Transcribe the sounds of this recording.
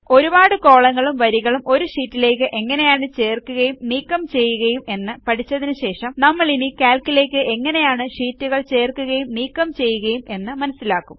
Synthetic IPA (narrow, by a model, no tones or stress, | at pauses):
o̞ɾubaːɽɨko̞ːɭɐŋːɐɭumʋɐɾiɣɐɭumʔo̞ɾuʂiːtːile̞ːk̬ːɨʔe̞ŋːɐne̞jaːɳɨt͡ɕe̞ːrkːuɣɐjumniːkːɐmt͡ɕe̞jːuɣɐjume̞nːɨpɐʈʰit͡ɕːɐðinɨɕe̞ːʂɐmnɐmːɐɭinikaːlkːile̞ːkːɨʔe̞ŋːɐne̞jaːɳɨʂiːtːuɣɐɭt͡ɕe̞ːrkːuɣɐjumniːkːɐmt͡ɕe̞jːuɣɐjume̞nːɨmɐnɐsːilaːkːum